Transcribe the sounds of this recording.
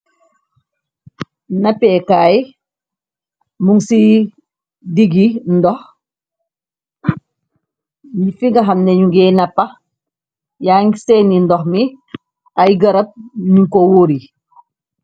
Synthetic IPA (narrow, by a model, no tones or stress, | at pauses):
nɐpɛkaːj | muŋsi | diɡindɔx | ɲifiŋɡɐɦɐmneɲuɡɛnɐpɐ | jaːŋsɛnindɔxmi | ajɡɐɾɐp̚ɲuŋkowoɾi